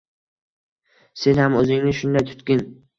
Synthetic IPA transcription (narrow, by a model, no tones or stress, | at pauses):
se̞nhamɵzɪŋnɪʃʊnd̪ajt̪ʰʊ̥t̪kʲɪn